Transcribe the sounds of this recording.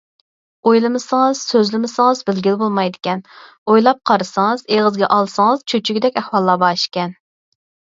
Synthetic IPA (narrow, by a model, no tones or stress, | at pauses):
ojlˠɨmɨsɨŋɨz̥søzlɪmɪsəŋəzbɪlɡʲilbolˠmɑjd̪ɪkʲɛn | ojlˠɑp̚qʰɑɾɨsɨŋɨzeʁəzɡʲɛʔɑlˠsɨŋɨz̥t͡ʃʰøt͡ʃʰyɡʲɪd̪ɛkʲæhwɑlˠːɑːbɑːʃkʲɛn